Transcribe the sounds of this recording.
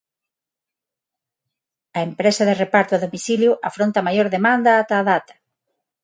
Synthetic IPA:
ɐempɾesɐðerepaɾt̪oaðomiθiljʊʔafɾont̪ɐmajoɾðemand̪ɐat̪aːðat̪ɐ̥

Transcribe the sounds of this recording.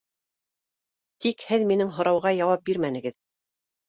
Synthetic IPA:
t̪ikhɘðminɘŋɦŏɾɑwʁɑjɑwɑp̚biɾmænɘ̆ɡɘð

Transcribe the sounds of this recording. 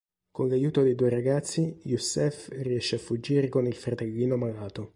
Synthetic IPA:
konlajuːt̪od̪ejd̪uːeɾaɡat̪sːijusɛfriɛʃːeafːud͡ʒiːɾekonilfɾat̪eʎːiːnomalaːt̪o

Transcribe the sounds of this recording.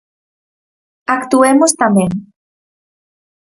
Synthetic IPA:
akt̪uemost̪amẽŋ

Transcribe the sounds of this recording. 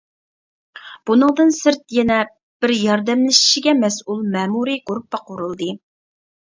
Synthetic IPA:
b̥unɨŋd̪ɨnsɪɾt̪jɛnɛ | b̥ɪɾjɑɾd̪ɛmlɪʃi̥ʃiɡʲɛmɛsulˠmɛːmuɾɨɡuɾpːɑqʰoɾulˠd̪ɨ

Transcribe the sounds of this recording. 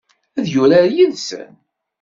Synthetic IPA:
æðjʊɾæɾjənsə̰n

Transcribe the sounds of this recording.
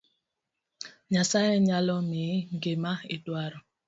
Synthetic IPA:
ɲasajɛɲalɔmiŋɡemaitwaɾɔ

